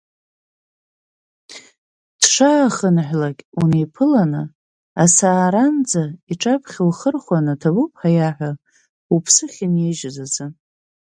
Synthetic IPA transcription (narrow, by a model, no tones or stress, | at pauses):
d̥ʂaːχənħʷᶣlakʲʼunejpʰɨlanɨ | asaːɾand͡zaiʈ͡ʂʼapʰχʲɪlχərχʷwanɨtʰabupʰħajaħʷᶣa | upʰsɨχʲɪnejʒazazɨn